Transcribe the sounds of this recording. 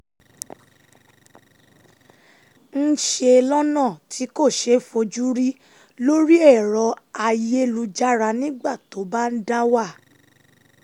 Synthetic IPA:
n̩˦ʃe˧lɔ˦nã˦˨tʰi˨˦ko˦˨ʃe˨˦fo˧d͡ʒu˦ɾi˦ | lo˦ɾi˦ɛ˦˨ɾɔ˨˧a˧je˦lu˧d͡ʒa˦ɾa˧nĩ˦ɡ͡ba˦˨to˨˦ba˦n̩˦da˦wa˦˨

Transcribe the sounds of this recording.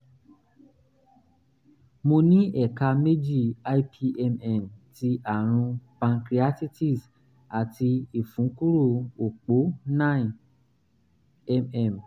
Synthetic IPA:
mo˧nĩ˦ʔɛ˦˨ka˧me˦d͡ʒi˦˨a˦i˦pʰi˧ʔɛ˧mɛ˦˨mti˧ʔa˦˨ɾ̃ũ˧pã˧nkɾi˧˦a˦ti˦ti˦˨s | a˨ti˧i˨fũ˨˦ku˦ɾo˦˨o˨k͡po˨˦nã˦˨ | ɛ˦˧mɛ˨m

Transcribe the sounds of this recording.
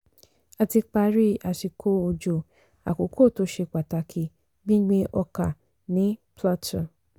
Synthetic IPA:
a˨ti˧k͡pa˧ɾi˦a˨ʃi˧kʰo˦o˧d͡ʒo˧˨ | a̰˨ko˨kʰo˦˨to˦ʃe˧k͡pa˨ta˨˧kʰi˧ | ɡ͡bĩ˦ɡ͡bẽ˧˦ʔɔ˧ka˨ | nĩ˨˦pʰla˦tʰɔ˨

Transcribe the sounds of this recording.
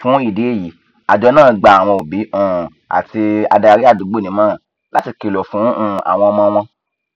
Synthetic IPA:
fũ˨˦i˦˨de˨˦e˦˨ji˨˦ | a˨d͡ʒɔ˧nãː˦˨ɡ͡ba˧a˨w̃ɔ̃˧o˨bi˨˦ũ˦˨ | a̰˨ti˧a̰˧da˧ɾi˦a˦˨du˨˦ɡ͡bo˦˨nĩ˨˦mãː˦˨ | la˦ti˧˨ki˨lɔ˨fũ˨˦ũ˦˨a̰˨w̃ɔ̃˧mɔ̃˧w̃ɔ̃˧

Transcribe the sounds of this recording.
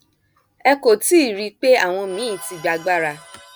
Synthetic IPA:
ɛ˧ko˨ti˦˨ɾi˧k͡pe˦a˦˨w̃ɔ̃˧mĩ˨˦˨ti˧ɡ͡ba˨˧ɡ͡ba˦ɾa˧

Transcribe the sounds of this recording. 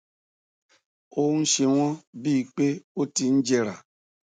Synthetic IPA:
o˦n̩˦ʃe˧w̃ʷɔ̃˦bi˦˨k͡pe˦o˦ti˧n̩˦d͡ʒe˧ɾa˨

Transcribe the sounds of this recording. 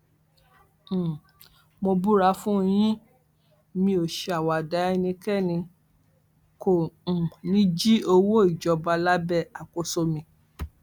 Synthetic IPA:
mõ˧bu˦ɾa˧˦fũ˦˧j̃ĩ˦ | mĩ˧o˨ʃe˨˧a˨wa˨da˨˦˧nĩ˧kɛ˦˨nĩ˧ | kõ˨nĩ˦d͡ʒi˦o˧wo˦i˦˨d͡ʒɔ˧ba˧la˦bɛ˦˨a˨ko˨˦so˧mĩ˧

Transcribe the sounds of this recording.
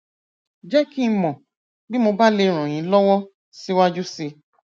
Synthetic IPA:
d͡ʒɛ˦ki˦˧˦mɔ̃˨ | bi˦mo˧ba˦le˧ɾ̃ɔ̃˨j̃ĩ˨˦lɔ˦wɔ˦ | si˦wa˦d͡ʒu˦se˧

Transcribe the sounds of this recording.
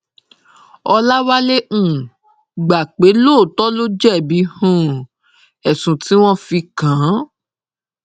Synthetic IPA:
ɔ˧la˦wa˦le˦ũ˦˨ | ɡ͡ba˨k͡pe˨˦lo˦˨tɔ˦lo˦d͡ʒɛ˦˨bi˨˦hũ˦˨ | ɛ˨sũ˨ti˨˦w̃ɔ̃˦fi˧kã˨˦

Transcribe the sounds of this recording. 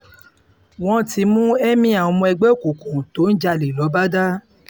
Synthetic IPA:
w̃ɔ̃˦ti˧˦mũ˦ɛ˦mĩ˦a˨ɔ˧mɔ̃˧ɛ˧ɡ͡bɛ˦o˦˨ku˨kũ˨to˨˦n̩˦d͡ʒa˧le˨lɔ˨˦ba˦da˦

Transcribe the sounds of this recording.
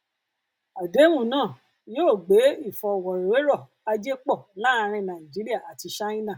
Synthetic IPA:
a˨de˨˦wũ˦˨nãː˦˨ | joː˦˨ɡ͡be˨˦i˦˨fɔ˧˨wɔ˨ɾe˨we˦ɾɔ˦˨ | a˧d͡ʒe˦k͡pɔ˦˨la˦˧ɾ̃ĩ˧nã˨ĩ˨d͡ʒi˨˦ɾi˦a˦˨a˨ti˧ʃa˦ĩ˦nã˦˨

